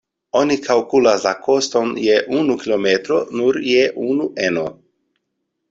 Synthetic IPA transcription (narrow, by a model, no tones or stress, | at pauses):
o̞nikʰalkulaslako̞st̪o̞njeʔunukilo̞met̪ɾonuɾjeʔunuʔeno